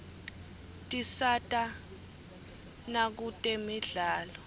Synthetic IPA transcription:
tʼisatʼa | nak̬utʼemiɮaːlɔ

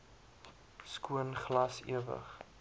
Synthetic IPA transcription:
skuənχlɐsḭəvə̰χ

